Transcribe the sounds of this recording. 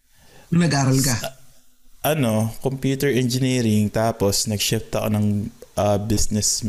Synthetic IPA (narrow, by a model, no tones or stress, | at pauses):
nɐɡaːɾɐlka | ʔɐno̞kompjuːt̪ɛɹʔɛnd͡ʒɪniːɾɪŋt̪aːposnɐɡʃɛft̪ɐko̰nɐŋʔɐbisnɛsm